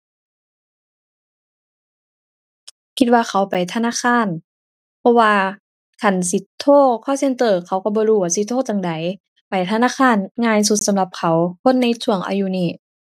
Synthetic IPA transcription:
kʰi˧t̪̚waː˧xʰa˨˩˦wpa˨jt̪ʰa˧naː˧˥˨kʰaː˧˥˨n | pʰɔ˧waː˧ | kʰa˧˩ns̬i˧˦t̪ʰːoː˥˨kʰaː˧˩˨wse˧˥˨nt̪ɤː˨˩kʰa˧˩˦wkɔ˧˩bɔː˧luː˧˩waː˧˩si˧t̪ʰːoː˥˨t̪a˨ŋda˨˦j | pa˨˩jt̪ʰa˧naː˧˥˨kʰaː˧˥˨nŋaː˧js̬u˧t̪̚sa˨˧˦mla˧p̚kʰa˨˩˦wkʰo˧˥˨nːa˧˨jt͡ɕʰu˧˩əŋʔa̰ː˧ju˧˨niː˧˩

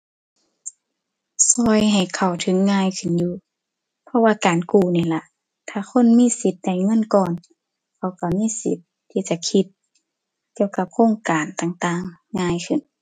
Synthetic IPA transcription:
sɔː˧˩jɦa˨˩jkʰa˨˩wt̪ʰɯ˨˦ŋːaː˧˨jkʰɯ˧˩˨njuː˧ | pʰɔ˧waː˧kaː˨˩nkuː˧˩niː˧˩la˧˦ | t̪ʰaː˧˩kʰo˧˥˨nmiː˧˥˨si˧˦t̪̚da˧˩jŋɤ˧˥˨nkɔː˧˩n | kʰa˧˩wka˧˩miː˧˥˨si˧˦t̪ʰːiː˧˩t͡ɕa˧˦kʰi˧˦t̪̚ | ki˧əwka˧˥p̚kʰoː˧˥˨ŋkaː˨nt̪aː˧˩ŋt̪aː˧˩ŋːaː˧˥˨jkʰɯ˧˩˨n

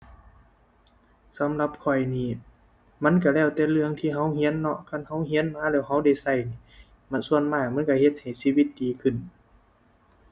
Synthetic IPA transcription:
sa˨˦mla˧p̚kʰɔ˧˩jniː˧˩ | ma˧˥˨nka˧˩lɛː˧˩wt̪ɛː˧lɯ˧əŋt̪ʰiː˧ɦa˧˥˨whi˧˥ə˨nːɔ˧kʰa˧˥˨nha˧˥˨whi˧˥ə˨nmaː˧˥˨lɛː˧˥˩wɦa˧˥wda˧˩jsa˧˩jniː˧˩ | ma˧˥nsu˧˨ənmaː˧˩k̚ma˧˥˨nka˧˩he˧t̪̚ha˨˩jsiː˧˨wi˧˦t̪̚diː˨˦kʰɯ˧˩˨n

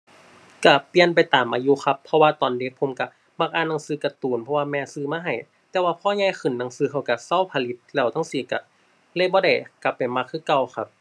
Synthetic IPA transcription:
ka˧˩pi˧ənp̬a˨jt̪aː˨˩mʔaː˧juː˧xʰa˧pʰːɔ˧waː˧t̪ɔː˨ndi˧˦k̚pʰo˧˦mka˧˩ | ma˧k̚ʔaː˧˨nːaː˧˩ŋsɯː˧ka˧˩t̪uː˨˩npʰɔ˧waː˧mɛː˧sɯː˧maː˧˥˧ɦa˧˩j | t̪ɛː˧waː˧pʰɔː˧˥˨ɲaː˧˨jxɯ˨˩nːa˧˩ŋsɯː˧kʰa˧˩wka˧˩sa˧˥˨wpʰa˧˨li˧˥t̪̚lɛː˧˩wt̪ʰa˧˥˨ŋsiː˧˩ka̰˧˩ | le˧˥˨bɔː˧˦da˧˩jka˧˩pːa˨˩jma˧kʰːɯː˧˥˨ka˧˨wxʰa˧˥p̚

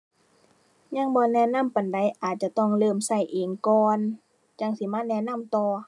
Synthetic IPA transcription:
ɲa˧˥˨ŋbɔː˧nɛː˧˩na˧˥˨mpa˨˩nda˨˦jʔaː˨˩t̪̚t͡ɕa˧t̪ɔ˧˩ŋlɤː˧˩˨msa˧˩jʔeː˨˩ŋkɔː˧n | t͡ɕa˧˩˨ŋsi˧˦maː˧˥˨nɛː˧˥˨na˧˥˨mt̪ɔː˧

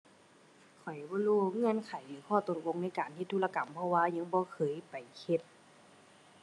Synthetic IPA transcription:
kʰɔ˨˩jbɔː˧˨luː˧˩ŋɯ˧˥ə˨nkʰa˨˩jlɯː˨˦kʰɔː˧˩t̪o˧˦t̪̚lo˧˥ŋna˧˩˨jkaː˨˩nhʰi˧t̪ʰːuː˧˨la˧ka˨˩mpʰɔ˧˨waː˧ɲa˧˥ŋbɔː˧˦kʰɤː˨˦˨jpa˨˩jhe˧t̪̚

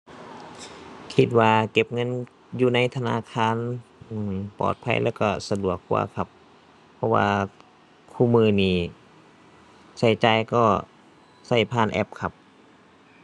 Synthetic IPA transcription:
kʰi˧t̪̚waː˧ke˧˩p̚ŋɤ˧˥˨n | juː˧˩na˧˥jt̪ʰa˧naː˧˥˨kʰaː˧˥˨nː˧˩ | pɔ̰ː˨˩t̪̚pʰa̰˧˥jlɛː˧˩wkɔ˧˩sa˧du˨˩˨əkʰːṵ˧ɐkʰa˧˥pʰː | ɔ˧˥wa̰ː˧ | kʰuː˧˩˨mɯː˧˩niː˧˩ | sa˧˩jt͡ɕaː˧jkɔː˧˩ | sa˧˩jpʰaː˧˨nʔɛ̰˧˥p̚kʰa˧p̚

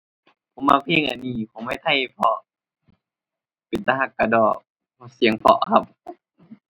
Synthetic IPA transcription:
pʰo˨˦mːaː˧˩pʰeː˧˥˨ŋʔa̰˨˩niː˧˩kʰo˨˦ŋma˧˨jt̪ʰa˧˩jpʰɔ˧ | pe˨˦nt̪a˧ɦa˧˩kːa˧˩dɔː˨˩k̚ | pʰɔ˧si˨˦əŋpʰɔ̰˧ʔkʰa˧p̚

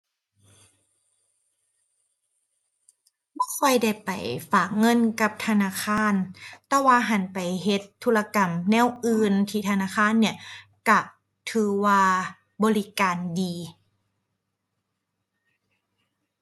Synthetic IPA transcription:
mɔː˧˥˩kʰɔ˧˩˨jda˧˥˩jpa˨˩jfaː˨˩k̚ŋɤ˧˥˨nka˧˦p̚t̪ʰa˧naː˧˥˨kʰaː˧˥˨nt̪ɛː˧waː˧ɦa˨˩˦npa˨˩jɦe˧˦t̪ʰːuː˧˥la˧ka˨˩mnɛː˧˥˨wʔɯː˧nt̪ʰiː˧t̪ʰa˧naː˧˥˨kʰaː˧˥˨nːi˦˥˩ɐka˧˩ | t̪ʰɯː˨˧˩waː˧ | bɔː˧li˦˥kaː˨ndiː˨˧

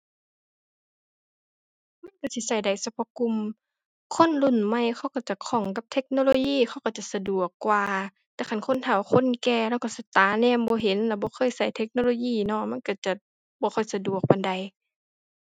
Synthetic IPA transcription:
ma˧˥˨nka˧˩si˧sa˧˩jda˨˩jsa˧pʰɔ˧˩ku˧˨m | kʰo˧˥˨nlu˧˩˨nma˧˨jkʰa˧˩wka˧˩wt͡ɕa˨˩˨kʰɔ˧˩˦ŋka˧˦p̚t̪ʰe˧˥k̚noː˧˨loː˧˨jiː˧˥˨xʰa˧˩wka˧˩wt͡ɕa˨sa˧du˨˩əkːwaː˧ | t̪ɛː˧˩kʰa˧˩nkʰo˧˥˨nt̪ʰa˧˩wxʰo˧˥˨nkɛː˧lɛː˧˨ka˧˩si˧˦t̪aː˨˦nɛː˧˥˨mbɔː˧˦ɦe˨˦nla˧˩bɔː˧˦xʰɤː˧˥˨jsa˧˩jt̪ʰe˧˥k̚noː˧˨loː˧˦jiː˧˩˨nɔ˧˨ma˧˥˨nka˧˩t͡ɕa˧˩ | bɔː˧˦xʰɔ˧˩jsa˧du˨˩ək̚pa˨nda˨j

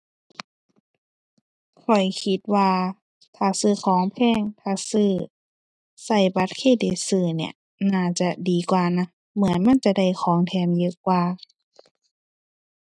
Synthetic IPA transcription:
kʰɔ˨˩jkʰi˧˦t̪̚waː˧ | t̪ʰaː˧˩sɯː˧˩kʰɔː˨˦ŋpʰɛː˧˥˨ŋt̪ʰaː˧˩sɯː˧˩ | sa˧˩jba˧˦t̪̚kʰeː˧˨da˨˧˨sɯː˧˩nḭ˧˩ə | naː˧˩t͡ɕa˧diː˨kwaː˨˧na˧˥ | mɯ˨˦ənma˧˥˨nt͡ɕa˧da˧˩jxʰɔː˨˦ŋt̪ʰɛː˧˩mjɯː˧kwaː˧

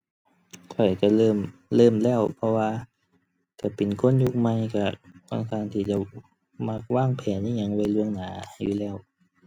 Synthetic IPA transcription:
kʰɔ˨˩jka˧˩lɤː˧˥˩mlɤː˧˥˨mlɛː˧˩˨wpʰɔ˧waː˧ | ka˧˩pe˨˩nkʰo˧˥˨nju˧k̚ma˧jka˧˩ka̰˧˩ŋt̪ʰaː˧˩˨ŋt̪ʰiː˧˩t͡ɕa˧˩ | ma˧k̚waː˧˥˩ŋpʰɛː˨˦nʔa˧˩˨ɲa˧˨ŋwa˧˩jlu˧əŋnaː˩˦juː˧˩lɛː˧˩w

